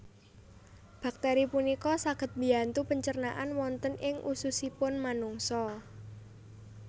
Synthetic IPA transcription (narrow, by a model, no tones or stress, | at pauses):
b̥a̤k̚t̪ɛɾipunikɔsaɡ̥ə̤t̪̚bi̤ant̪upəɲt͡ʃərnaʔanwɔnt̪ənɪŋʔususipʊnmanuŋsɔ